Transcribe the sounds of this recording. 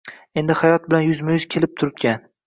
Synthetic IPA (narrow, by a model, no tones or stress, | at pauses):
e̞nd̪ɪhajɒt̪̚bɪlanjʊzmajʊz̥kʲʰelɪp̚t̪ʰʊɾɪpkʲan